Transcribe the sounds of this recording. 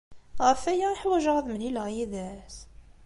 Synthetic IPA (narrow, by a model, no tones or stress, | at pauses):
ʁəfæjæiħwæʒəʁðməniləʁjæðæs